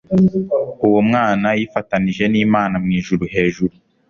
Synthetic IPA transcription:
uwomŋaːnajifataniʒe̞niːmaːnamŋiːʒuɾuɦe̞ːʒuɾu

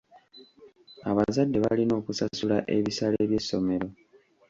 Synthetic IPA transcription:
aβazadːe̞βalino̞ːkusasulaʔe̞βisaleβje̞sːo̞me̞ɾo̞

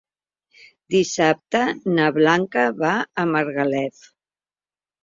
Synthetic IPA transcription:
d̪isap̚t̪ənəβlaŋkəβaəməɾɣəlɛt

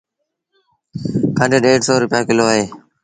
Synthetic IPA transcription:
kʰəɳɖeːɖeːʈsoːɾʊpjaːkɪloːɦeː

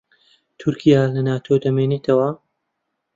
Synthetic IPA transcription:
t̪ʰʊɾkʰijaːlɐnaːt̪ʰod̪ɐmeːnet̪ʰɐwɐ

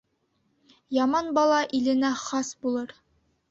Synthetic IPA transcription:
jɑmɑnbɑlˠɑʔilɘ̆næχɑsbulˠɤɾ

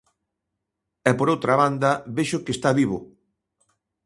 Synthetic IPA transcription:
ɛpoɾowt̪ɾaβand̪ɐβeʃʊkest̪aβiβ̞o

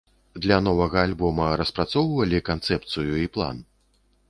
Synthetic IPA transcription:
d̪lʲɐnɔvɐɣɐːlʲbɔmɐɾɐspɾat̪sɔwvɐlʲikant̪sɛp̚t̪sɨjuiplˠa̰n

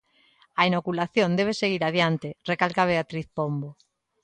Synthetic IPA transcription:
ainokulaθjond̪eβ̞eseɣ̞iɾaðjant̪erekalkaβeat̪ɾiθpombo

